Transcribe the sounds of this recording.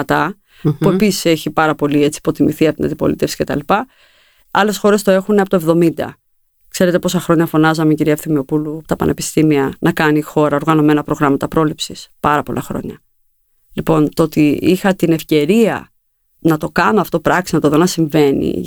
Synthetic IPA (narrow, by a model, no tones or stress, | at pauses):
t̪ɐ | pue̞pisi̥se̞çipɐɾɐpo̞lie̞t͡si̥po̞t̪imiθiɐpot̪inɐ̰nd̪ipo̞lḭt̪e̞fsi̥ce̞t̪ɐ̰lipɐ | ɐle̞sxo̞ɾe̞st̪o̞e̞xuneɐpt̪oe̞vðo̞mind̪ɐ̰ | kse̞ɾe̞t̪epo̞sɐxɾo̞ɲɐfo̞nɐzɐmeciɾiɐfθimio̞puluɐpot̪ɐpɐ̰nʔe̞pi̥st̪imiɐnɐkɐnixo̞ɾɐo̞ɾɣɐno̞me̞nɐpɾo̞ɣɾɐmɐt̪ɐpɾo̞lipsispɐɾɐpo̞lɐ̰xɾo̞̰ɲɐ | lipo̞nt̪oot̪iixɐt̪ine̞fce̞ɾiɐ̰ | nɐt̪o̞kɐno̞ɐft̪o̞pɾɐksinɐt̪oðo̞nɐsiɱve̞nḭ